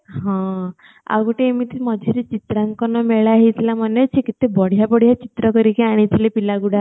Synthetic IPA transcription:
ɦɔ̃ | a̰kɔʈeːmit̪imɔd̪ʱɔɾet͡ʃit̪ɾaŋkɔnɔmeɭaɦit̪ʰilamɔnet͡ʃʰikit̪ebɔɽ̤ijabɔɽ̤ijat͡ʃit̪ɾɔkɔɾikeaɽ̃it̪ʰilepilaɡuɽa

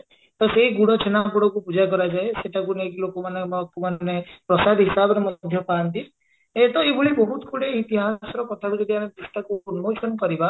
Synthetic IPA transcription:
t̪ɔseɦiɡuɽ̃ɔt͡ʃʰenakuɽ̃ɔkupud͡ʒakɔɾad͡ʒaeseʈʰakunekilokɔmanemkumanepɾɔsad̪ʱɦisabɾɔmɔd̪ʱjɔpant̪i | et̪ɔebuɭibɔɦut̪kʰuɽeit̪iɦasɔɾɔkɔt̪ʰaɾikit̪ianed̪ɾusʈakuːnmot͡ʃʰɔnkɔɾiba

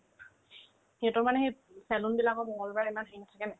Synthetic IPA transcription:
hetʊmanɛxej | sɛlunbilakɔbɔŋɔlbaimanɦiŋtʰakɛnɛ

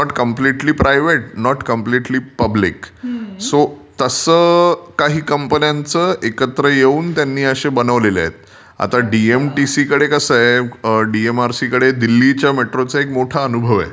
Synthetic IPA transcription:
nɔʈkəmpliʈliːpɾajʋeʈ̚nɔʈkəmpliʈliːpəbliksot̪əsəkaɦiːkəmpənjãnt͡səekət̪ɾəjeuːnt̪janːiːəɕebənəʋlela̰ḛt̪̚ | a̰t̪aɖiemʈisikəɽekəsəeɖiemaɾsikəɽed̪ilːit͡ɕjameʈɾot͡saekmoʈʰaənubʱəʋɛ̰

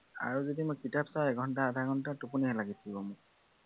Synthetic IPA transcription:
a̰ɹuzodimojkitapsajɛɡʱɔntaadʱaɡʱɔntatupuniɛlaɡitʰibɔmʊ

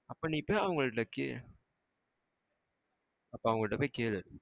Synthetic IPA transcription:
ɐpːoːniːpːoːɐʋɐŋɡɐɭɯʈːɐkːḛ | ɐpːoːɐʋɐŋɡɐɭɪʈːɐpoːjkeːɭɐðɯ

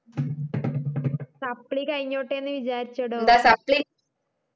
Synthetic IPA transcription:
sapliːkajɲoʈenʋid͡ʑaɾt͡ɕəɽəd̪asapli

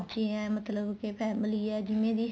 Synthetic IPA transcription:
t͡ʃĩːɛ̃ːmət̪ləbkepʰɛːmliːɛːd͡ʒɪʋẽːd̪iː

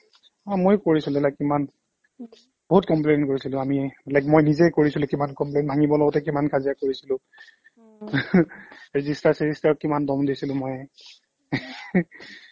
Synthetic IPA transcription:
amojkoɹisilʊ̃ɛlakːiman | b̥oɦut̚kɔmplenkoɹisilʊ̃amiɛlakmojnizɛjkoɹisilʊ̃kimankɔmplenbʱaŋibɔlɔɡɔtɛkimankʰazijakoɹisilʊ̃ | ɹezistaɹsezistaɹɔkimandɔmdisilʊ̃moj

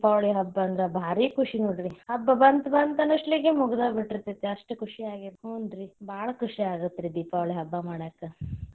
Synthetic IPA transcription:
paːʋɭiɦɐbːɐɐnd̪ɾɐbʱaːɾiːkʰuʂinoːɽiɾihɐbːɐbɐnt̪bɐnt̪ɐnɐʂʈliɡemuɡɐd̪ɐbiʈːiɾt̪ːet̪ːeɐʂʈukʰuʂiaːɡiɾoːnd̪ɾibʱaːɭɐkuʂiaːɡut̪ːɾid̪iːpaːʋɭiɦɐbːɐmaːɽɐkːɐ

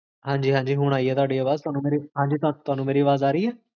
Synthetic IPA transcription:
ɦãːɲd͡ʒiːɦãːɲd͡ʒiːɦʊɽ̃aːiɛːt̪ʊaːɖiːəʋaːzt̪ʊaːnũːmeːɾiɦãːɲd͡ʒiːt̪ʊat̪ʊaːnũːmeːɾiːəʋaːzaːɾəiːɛː

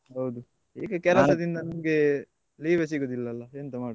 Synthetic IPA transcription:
ɦɐwd̪u | ḭːɡɐkɛlɐɐd̪ind̪ɐnɐmɐɡe | liːʋes̬iɡoːd̪ilːɐːlːɐeːnt̪ɐmaːɽ

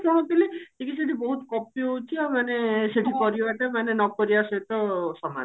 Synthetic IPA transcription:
pɔɽ̃ɔt̪iliʈʰikiseʈibɔɦut̪kɔpijoɦout͡ʃʰiamaneseʈʰikɔɾioat̪amanenɔkoɾiasɔjt̪ɔsɔma̰n

